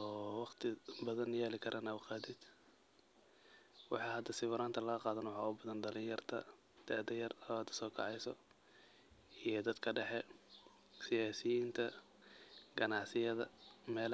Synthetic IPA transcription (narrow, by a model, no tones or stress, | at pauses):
ɔːwɑqt̪ʰɪbɐðɐnjɛːlɪkʰɐɾʔɐnɐʊqɑːd̪ɪd̪̥ | wɑħɑːhɐd̪ːɐsɪβʊɾaːnt̪ʰɐlɐɣɐqɑːðɐnwɑħɑːʊbɐðɐnɖɐlɪnjɐrt̪ʰɐ̰ | d̪̥ɐʔd̪ɐjɐrɐβaːd̪ɐ̥sɔːkʰɑ̰ʕɑjsɔ̰ | ijɔd̪ɐd̪kʰɐɖɛħɛ | sɪjaːsɪjint̪ʰɐ | ɡɐnɑʕsɪjɐðɐmɛːl